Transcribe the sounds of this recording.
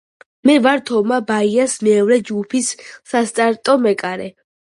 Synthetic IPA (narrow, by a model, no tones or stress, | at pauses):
mɛvaɾt̪ʰɔmabaiasmɛvɾɛd͡ʒɡupʰisːast̪ʼaɾt̪ʼɔmɛkʼaɾɛ